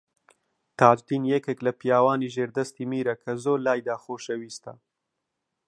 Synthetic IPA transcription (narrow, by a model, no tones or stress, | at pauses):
t̪aːd͡ʒd̪injekeklɐpijaːwɑːniʒeːɾd̪ɐst̪imiːɾɐkʰɐzoːlaːjd̪aːxoːʃɐwiːst̪a̰